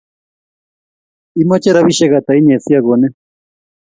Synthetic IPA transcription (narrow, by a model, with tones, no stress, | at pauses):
i˦ma˦t͡ʃɛ˦ɾaβi˦ʃɛ˦ɣa˨t̪a˨i˦ɲɛ˨si˦a˦ɣo˨nɛ˦